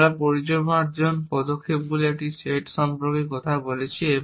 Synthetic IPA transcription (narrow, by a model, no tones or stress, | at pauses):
ɭapɔɾit͡ʃɔbãʈd͡ʒɔnpɔd̪ɔkkʰːepɡulieʈiseʈsɔmpɾɔkikɔt̪ʰabolet͡ʃʰie